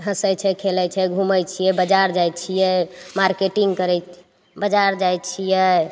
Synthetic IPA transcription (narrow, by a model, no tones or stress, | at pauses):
ɦəsəjt͡ʃʰɛkʰelɛt͡ʃʰɛɡʱuməjt͡ʃʰijɛbəd͡ʒaɾd͡ʒajt͡ʃʰijɛmaɾkeʈiŋɡkəɾɛ | bəd͡ʒaɾd͡ʒajt͡ʃʰijɛ